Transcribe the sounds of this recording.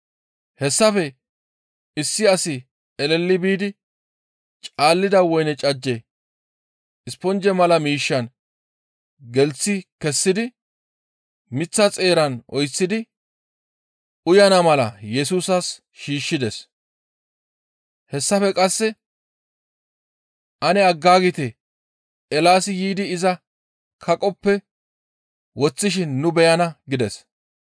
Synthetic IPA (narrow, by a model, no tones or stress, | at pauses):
hɛsːɐfɛ | ɪsːɪɐsɪ | ɛlɛlːɪbiːd̪ɪ | t͡ʃʼaːlːɪd̪ɐwɔjnɛt͡ʃʼɐd͡ʒːɛ | ɪspɔnd͡ʒɛmɐlɐmiːʃːɐn | ɡɛlt͡sːɪkɛsːɪd̪ɪ | mɪt͡sːɐt͡sʼe̞ːɾɐnʔɔjt͡sːɪd̪ɪ | ʔʊjɐnɐmɐlɐjɛsuːsɐs | ʃiːʃːɪd̪ɛs | hɛsːɐfɛkʼɐsːɛ | ʔɐnɛɐɡːaːɡɪt̪ɛ | ɛlaːsɪjiːd̪ɪːzɐ | kʰɐkʼɔpːɛ | wɔt͡sːɪʃ̬ɪnːʊbɛjɐnɐɡɪd̪ɛs